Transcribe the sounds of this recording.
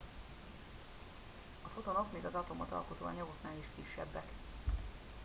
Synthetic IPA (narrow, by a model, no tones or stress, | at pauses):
ɒfot̪onokmeːɡɒzɒt̪o̞mɒt̪ɒ̰lkot̪o̰ːɒ̰ɲɒɡot̪naːliʃkiʃːɛ̰bːɛk